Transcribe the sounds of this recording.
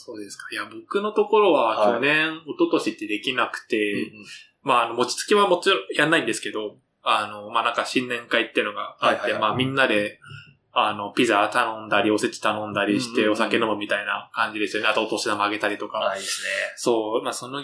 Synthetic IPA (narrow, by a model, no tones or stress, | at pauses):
soːd̪esɨ̥kḁjabo̞kɯ̟no̞t̪o̞ko̞ɾo̞βakʲo̞nẽ̞o̞t̪o̞t̪o̞ɕit̪ːe̞d̪e̞kʲinakɯ̟̥t̪e̞ | maːno̞mo̞t͡ɕi̥t͡sɨ̥kʲiβamo̞t͡ɕiɾõjanːaĩnd̪e̞sɨ̥ke̞d̪o̞ | ano̞manãŋkaɕĩnːẽ̞ŋkait̪ːeɯ̟no̞ɡaat̪ːe̞maːmʲĩnːad̪e̞ | ano̞pʲizat̪anõ̞nd̪aɾʲio̞set͡ɕi̥t̪anõ̞nd̪aɾʲiɕi̥t̪e̞o̞sake̞no̞mɯ̟mʲit̪aina̰kãɲ̟d͡ʑid̪e̞sɨjoneat̪oːt̪o̞ɕid̪amaɡe̞t̪aɾʲit̪o̞kaneso̞ːmaːso̞no